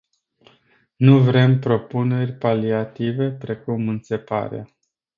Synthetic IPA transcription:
nuvɾe̞mpɾo̞pune̞rʲpaliat̪ive̞pɾe̞kumɨnse̞pa̰ɾḛa

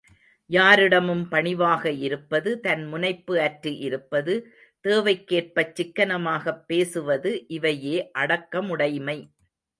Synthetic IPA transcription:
jaːɾɪɽɐmɯmpɐɳɪʋaːɣɐɪɾɯpːɐðɯt̪ɐnmʊnɐɪpːɯɐʈɾiʔɪɾɯpːɐðɯ | t̪eːʋɐɪkːeːr̚pɐt͡ʃːɪkːɐnɐmaːɣɐpːeːsɯʋɐðɯʔɪʋɐjeːʔɐɽɐkːɐmʊɽɐɪmɐɪ

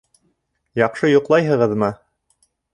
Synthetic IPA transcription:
jɑqʃɤjŏqlˠɑjɦɤ̆ʁɤðmɤ

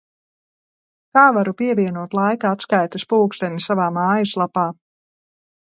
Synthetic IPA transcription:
kaːvaɾupiɛviɛnuɔt̪lˠajkaat̪skajt̪aspuːkst̪ɛnʲisavaːmaːjaslˠapaː

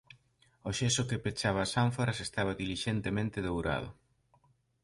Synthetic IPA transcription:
oʃesʊkepet͡ʃaβaːsaɱfaɾasest̪aβɐðiliʃent̪emẽnt̪ɪðowɾa̰ð̞ʊ̰

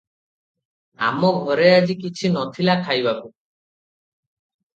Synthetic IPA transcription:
a̰mɔɡʱɔɾead͡ʒikit͡ʃʰinɔt̪ʰilakʰajbaku

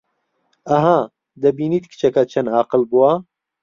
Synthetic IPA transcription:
ɐɦa | d̪ɐbiːnit̪kʰɨ̥t͡ʃʰɐkɐt͡ʃʰɐnaːqɨlbuwɐ

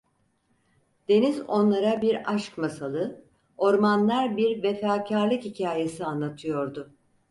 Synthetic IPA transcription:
d̪̥e̞nizo̞nlˠaɾabiɾaʃkmasalˠɯ | o̞ɾmanlˠaɾbiɾvefaːcʰaɾlˠɯkhicʰaːje̞sianlˠat̪ʰɯjo̞ɾd̪ʊ

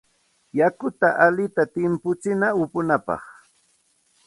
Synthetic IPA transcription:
jakʊt̪aʔalɪt̪at̪ɪmpʊt͡sɪnaʊpʊnapɑ̰χ

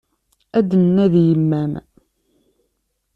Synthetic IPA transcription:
æd̪ənːæðjəmːæn

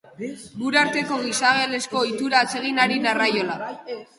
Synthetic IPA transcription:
muɾaɾt̪e̞ko̞ɣisaɣ̞e̞le̞sko̞it̪uɾaːt͡se̞ɣ̞inaɾinarajo̞la

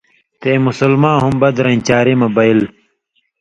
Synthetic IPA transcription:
t̪eːmusulmãːɦumbɐd̪ɾɐ̃nt͡ɕaːɾeːmɐbɐil

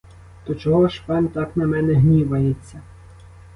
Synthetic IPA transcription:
t̪ɔt͡ʃɔɦɔʃpɑnʲt̪ɑknɐmɛnɛɦnʲiʋɐjet͡sʲːɐ

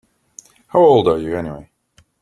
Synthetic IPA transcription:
haʊoʊlˠdə˞jɨɛniwḛɪ

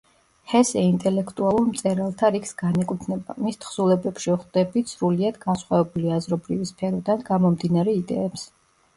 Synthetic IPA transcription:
hɛsɛint̪ʼɛlɛkʰt̪ʼualˠuɾmt̪sʼɛɾalˠt̪ʰaɾikʰsɡanɛkʼut̪ʰnɛba̰mist̪ʰχsulˠɛbɛpʃiχd̪ɛbisɾuliad̪ɡansχwavɛbuliazɾɔbɾivispʰɛɾɔd̪anɡamɔmd̪inaɾɛid̪ɛ̰ɛps

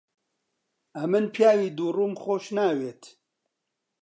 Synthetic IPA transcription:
ɐmɨnpʰjaːwiːd̪uːruːmxoːʃnaːweːt̪ʰ

